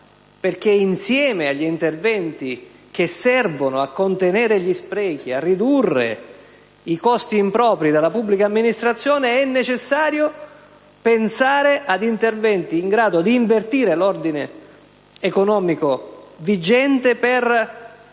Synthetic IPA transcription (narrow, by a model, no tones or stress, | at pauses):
perk̟einsjɛːmeaʎːint̪ervɛnt̪i | k̟esːɛrvonoakːont̪eneːɾeʎispɾɛːk̟iarːid̪urːḛ | ikɔst̪iːmpɾɔːpɾid̪alːapubːlikaːmːinist̪ɾat̪sːjɔːneɛnːet͡ʃesːaːɾjo | pensaːɾeʔad̪int̪ervɛnt̪iːŋɡɾaːd̪od̪iːɱvert̪iːɾelord̪ine | ekonɔːmikovid͡ʒɛnt̪eper